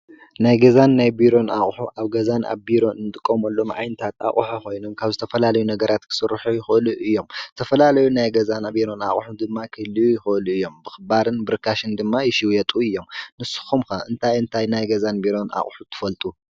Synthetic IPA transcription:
najɡɐzanːajbiɾo̞nʔa̰χʼħuʔaβɡɐzanʔa̰βbiɾo̞nɨnt̪ʼɨkʼːomɐlːo̞mʔa̰jnɐt̪ʰat̪ʰa̰χʼħuko̞jno̞mkʰaβzɨt̪ʰɐfɐlalɐjunɐɡɐɾat̪kʰɨ̥sɨɾːħujɪxluʔɨjːo̞mzɨt̪ʰɐfɐlalɐjunajɡɐzanbiɾo̞na̰χʼħud̪ɨmːakʰɨhlijujɪxɨluɨjːo̞mbɨxɨbaɾɨnbɨɾkʰaʃɨnd̪ɨmːajɪʃiwjɛt̪ʼuɨjːo̞mnɨsːɨ̥xumkaʔɨnt̪ʰajɨnt̪ʰajnajɡɐzanbiɾo̞nʔa̰χʼħut̪ʰɨ̥fɐlt̪ʼu

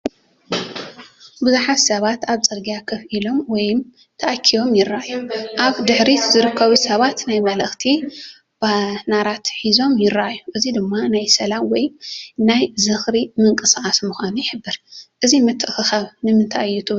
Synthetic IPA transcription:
bɨzuħatsɐβat̪aβt͡sʼɨɾɡijakʰɐfilo̞mwɔjm | t̪ʰɐʔakʰːijo̞mjɪɾːaʔajːuʔaβd̪ɨħɾizɨɾɨkʰːɐβusɐβat̪najmɐlɐxt̪ʰi | b̥anaɾat̪ħizo̞mjɪraʔajːuʔɨzid̪ɨmːanajsɐlamwɔjnajzɨxɾimɨŋkʼɨsaʔasmuxʷanujɪħɨbːɨɾʔɨzimɨt̪ʰːɨʔxɨxaβnɨmɨnt̪ʰaʔjjːut̪ʰɨ

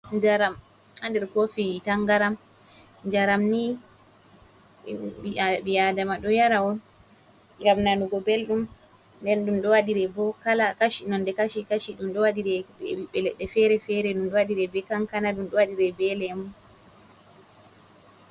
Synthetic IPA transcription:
d͡ʒaɾam | andɛɾkofitaŋɡaɾam | ɲd͡ʒaɾamni | iabijadamaɗɔjaɾawɔn | ŋɡamnanuɡɔbelɗum | ndɛnɗumɗɔwaɗiɾɛbɔkalakaʃinɔndɛkaʃikaʃiɗumɗɔwaɗiɾɛɛiɓɛlɛɗɛfɛɾɛfɛɾɛɗumɗɔwaɗiɾɛbɛkaŋkanaɗumɗɔwaɗiɾɛbɛlɛmun

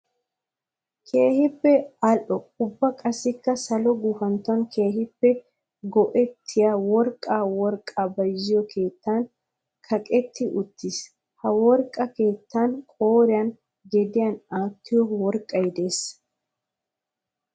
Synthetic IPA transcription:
kʰe̞ːhɪpːɛɐlʔɔʊbːɐkʼɐsɪkːɐsɐlɔɡufɐnt̪ːɔnkʰe̞ːhɪpːɛ | ɡɔʔɛt̪ʰːɪjaːwɔɾkʼaːwɔɾkʼːabɐjzɪjɔkʰe̞ːt̪ːan | kʰɐkʼɛt̪ʰːɪʔʊt̪ːɪs | hɐwɔɾkʼːɐke̞ːt̪ːankʼoːɾɪjɐn | ɡɛd̪ɪjɐnaːt̪ʰːɪjɔwɔɾkʼːɐjd̪e̞ːs

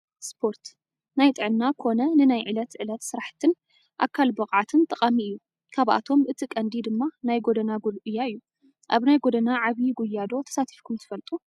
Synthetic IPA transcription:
spʰo̞ɾt̪ | najt̪ʼɨʕɨnːakʰo̞nɐnɨnajʕɨlɐt̪ʕɨlɐt̪sɨɾaħt̪ʰɨn | ʔa̰kʰːalbɐχʼʕat̪ʰɨnt̪ʼɐqʼamiɨjːu | kʰaβʔa̰t̪ʰo̞mʔɨt̪ʰikʼɐnd̪id̪ɨmːanajɡod̪ɐnaɡulʔɨjːaɨjːu | ʔaβnajɡod̪ɐnaʕaβiɡujːad̪o̞t̪ʰɐ̥sat̪ʰi̥fkʰumt̪ʰɨ̥fɐlt̪ʼu

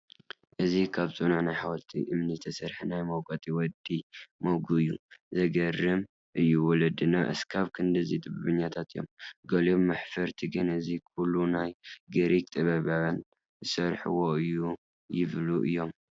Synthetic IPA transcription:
ʔɨzikʰaβsʼunaʕnajħawɔlt̪ʰḭʔɨmnit̪ʰɐsɐɾħinajmɐwkʼɐt̪ʼiwɔd̪ːimowɡuɨjːuzɐɡɐrːɨm | ʔɨjːuwɔlɐd̪ɨnaʔɨ̰skʰaβkʰɨnd̪ɨzit̪ʼɨbɨβɨɲːat̪ʰat̪ʰɨjo̰mɡɐlomːaħfɐɾt̪ʰiɡɨnɨzikʰulːunajɡɐɾik̚t̪ʼɨβɐβawn | zɨsɐɾħɨ̰woɨjːu | jɪβluʔɨ̰jːo̞m

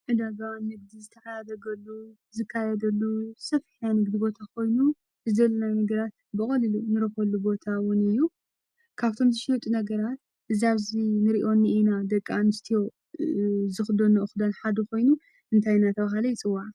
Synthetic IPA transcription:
ʕɨd̪aɡawinnːɨɡ̚d̪izɨt̪ʰɐħajad̪ɐɡɐlːu | zɨkʰːajɐd̪ɐlːusɐfiħnajnɨɡd̪ibo̞t̪ʰakʰo̞jnu | ʔɨzd̪ɐlːɐnajnɨɡɐɾat̪bɨχʼɐlɨlunɨɾɐxɐlubo̞t̪ʰawʊnɨjːu | kʰaβt̪ʰo̞mzɨʃiwt̪ʼunɐɡɐɾat̪̚ | ʔɨziaβzinɨɾiʔo̞nːɨʔinad̪ɐkʼːanɨst̪ʰijo̞ | zɨxd̪onɨʔɨxd̪ɐnħad̪ɐko̞jnu | ʔɨnt̪ʰajnat̪ʰɐβaɦalɐjɪt͡sʼɨwːaʕ

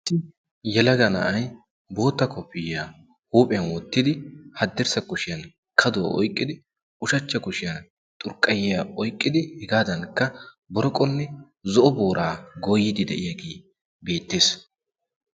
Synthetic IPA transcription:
t̪ːɪ | jɛlɐɡɐnɐ̰ʔɐj | bo̞ːt̪ːɐkɔpːɪja | huːpʼɛɐnwɔt̪ːɪd̪ɪhɐd̪ːɛɾsɐkʊʃɪjɐn | kʰɐd̪ʊwɐ̰ʔɔ̰jkʼːɪd̪ɪ | ʊʃɐt͡ʃːɐkʊʃɪjɐn | t̪ʼʊɾkʼːɐjɪjaɔjkʼːɪd̪ɪhɛɡaːd̪ɐnkːɐ | bɔɾɔkʼːɔnːɛ | zɔʔɔboːɾʔaːɡoːjːɪd̪ɪd̪ɛ̰ʔɪjɐɡeː | be̞ːt̪ːeːs

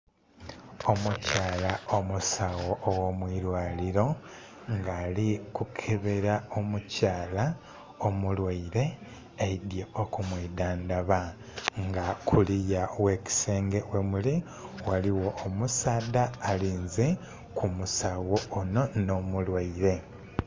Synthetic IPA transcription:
o̞mucaːlaomusawoʔːwomwiːɾwaːliɾo̞ | ŋɡaːlikukʰeβe̞ɾao̞mucaːla | omulwaiɾe̞ | eidjeokumwiːdaːnd̪aβa | ŋɡakʰulijawe̞ːci̥se̞ːŋɡe̞wemuli | waliwo̞ːmusaːdaːliːnze̞ | kumusawoːno̞no̞mulwaiɾe̞

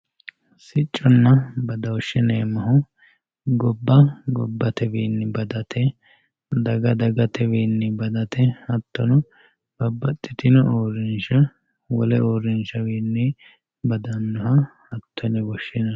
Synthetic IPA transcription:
sɪt͡ʃʼːɔnːɐbɐd̪ɐwɔʃːɛneːmɐɦʊ | ɡɔbːɐɡɔ̰bːɐt̪ɛwiːnːɪbɐd̪ɐt̪ʰɛ | d̪ɐɡɐd̪ɐɡɐt̪ɛwiːnːɪbɐd̪ɐt̪ɛhɐt̪ːɔnʊ | b̥ɐbːɐt̪ʼːɪt̪ɪnɔʔoːɾɪnʃɐ | wɔlɛoːɾɪnʃɐwiːnːɛ | bɐd̪ɐnːʊhɐhɐt̪ʰːɔnɛbɔʃɪnɐ

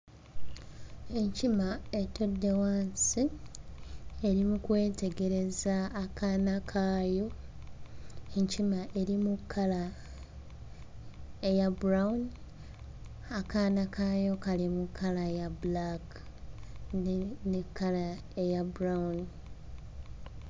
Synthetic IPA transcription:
e̞ɲcimae̞to̞dːe̞waːnsi | e̞ɾimukwe̞ːte̞ɡe̞ɾe̞zaːkʰanakʰaːjo̞ | eɲcimaʔe̞ɾimukʰːala | ejabuɾaun | akanakajo̞kalimukʰːalajabulak | nnekʰːala | ejabuɾauni

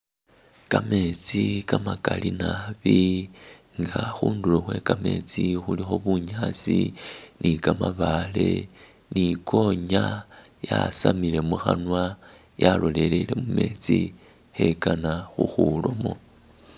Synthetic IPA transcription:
kame̞t͡sikamakalinaβi | ŋɡaxuːnduloxwe̞kame̞t͡sixulixo̞βuɲat͡sinʔikamaβale̞ | nikʰo̞ɲa | jasamile̞muxanwa | jalole̞leile̞mume̞ːt͡si | xe̞kanaxuxulomo̞

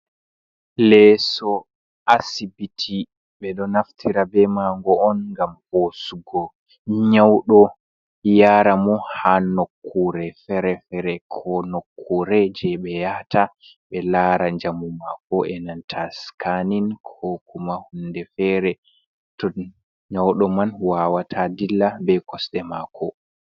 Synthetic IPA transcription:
lɛsɔ | ʔasibitʰi | ɓɛɗɔnaftʰiɾabɛmaŋɡɔːnŋɡamhosuɡɔ | ɲawɗɔ | jaɾamɔhanokʰːuɾɛfɛɾɛfɛɾɛkʰɔnokʰːuɾɛd͡ʒɛɓɛjata | ɓɛlaːɾaɲd͡ʒamumakɔɛnantʰaskaninkʰokumahundɛfɛɾɛ | tɔ | ɲawɗɔmanwawatʰadilːabɛkɔsɗɛmakʰɔ

